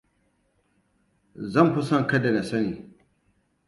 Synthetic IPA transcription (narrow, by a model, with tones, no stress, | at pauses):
zɐ˦˨mɸʊ˦sɐ˦ŋ˨kɐ˦da˨nɐ˨sɐ˦niː˨